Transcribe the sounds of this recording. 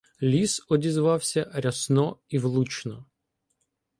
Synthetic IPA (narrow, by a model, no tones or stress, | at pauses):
lʲisɔdʲizʋɑwsʲɐɾʲɐsnɔiʋlˠut͡ʃnɔ